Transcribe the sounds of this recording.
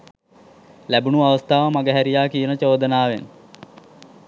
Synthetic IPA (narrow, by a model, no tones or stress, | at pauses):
læbunuaʋəst̪aːʋəmaɡəɦæɾijaːkijənət͡ʃoːd̪ənaːʋen